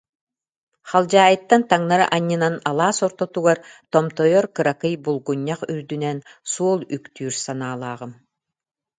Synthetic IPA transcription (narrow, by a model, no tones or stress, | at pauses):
χalˠd͡ʑaːjɯt̪ːant̪aŋnaɾɯ̰ʔaɲːɯnanalˠaːsɔɾt̪ɔt̪uɡaɾt̪ɔmt̪ɔjɔɾkɯɾakɯjbulˠɡuɲːaχyɾd̪ynɛnsuɔlˠykt̪yːɾsanaːlˠaːʁɯm